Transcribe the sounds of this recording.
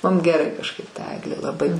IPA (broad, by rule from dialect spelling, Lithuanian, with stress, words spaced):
ˈmʊm ɡʲɛˈrɐɪ kɐʃˈkɐɪp tɐ ˈæːɡlʲeː lˠɐˈbɐɪ